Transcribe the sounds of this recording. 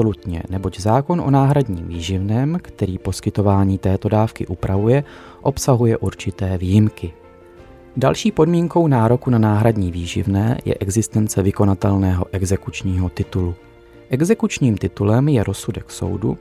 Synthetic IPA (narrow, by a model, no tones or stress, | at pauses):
lut̪ɲɛ̰nɛbo̞ɟzaːko̞nʔo̞̰naːɦɾadɲḭːmviːʒɪvnɛːmkt̪ɛɾiːpo̞skɪt̪o̞vaːɲiːt̪ɛːt̪o̞daːfkɪʔupɾʔavujɛ | ʔo̞psaɦujɛʔuɾt͡ʃɪt̪ɛːviːjɪmkɪ | dalʃiːpo̞dmiːŋko̞wnaːɾo̞kunanaːɦɾadɲiːviːʒɪ̰vnɛ̰ːjɛ̰ʔɛɡzɪst̪ɛnt͡sɛvɪko̞nat̪ɛlnɛːɦo̞ʔɛɡzɛkut͡ʃɲiːɦo̞t̪ɪt̪ulu | ʔɛɡzɛkut͡ʃɲiːmt̪ɪt̪ulɛmjɛɾʔo̞sudɛkso̰wdṵ